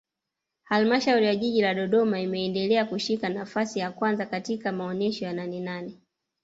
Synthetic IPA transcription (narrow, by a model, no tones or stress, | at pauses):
halmaʃauɾijaʄiʄilaɗɔɗɔmaimɛɛndɛlɛakuʃikanafasijakwanzakatikamaɔnɛʃɔjananɛnanɛ